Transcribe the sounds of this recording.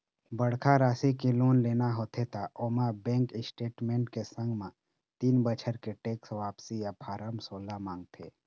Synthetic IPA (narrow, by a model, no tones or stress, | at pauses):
bəɽkʰaɾaːsikeloːnleːnaɦoːt̪ʰet̪aʔoːmabɛ̃ːŋkɪsʈeːʈmẽːʈkesə̃ŋɡmã | t̪iːnbət͡ʃʰəɾkeʈeːksʋaːpsijapʰaːɾəmsoːlamãːŋɡ̚t̪ʰḛː